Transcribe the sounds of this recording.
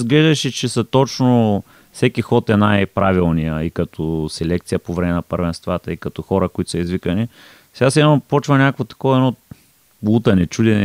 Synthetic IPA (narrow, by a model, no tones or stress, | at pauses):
zɡlɛʒd̪ɐʃɛt͡ʃɛsɐt̪ot͡ʃno | fsɛkixɔt̪ɛnajpɾavilˠnijəikɐt̪ʰɔsɛlɛk̚t̪sijəpovɾɛmɛnɐpəɾvɛnst̪vat̪əikɐt̪ɔxɔɾəkoit̪ʊ̥səizvikɐni | sɛɡasɛnɔpɔt͡ʃvɐnʲakovot̪ɐ̥kɔvɐɛnɔ | lˠut̪ɐnɛt͡ʃud̪ɛnɛ